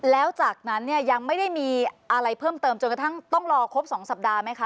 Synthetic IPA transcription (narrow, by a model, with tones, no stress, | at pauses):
lɛː˦˥wt͡ɕaː˨˩k̚na˦˥nːi˥˩ɐja˧ŋma˥˩jda˥˩jmiː˧ʔa˧ɾa˧jpʰɤː˥˩mt̪ɤː˧mt͡ɕo˧nka˧t̪ʰa˥˩ŋt̪ɔ˥˩ŋɾɔː˧kʰo˦˥p̚sɔː˩˦ŋsa˨˩p̚daː˧ma˦˥jkʰa˦˥